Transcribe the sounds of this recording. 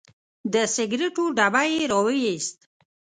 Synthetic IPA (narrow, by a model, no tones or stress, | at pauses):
d̪əsɪɡɾeʈoɖabajeɾɑwejist̪̚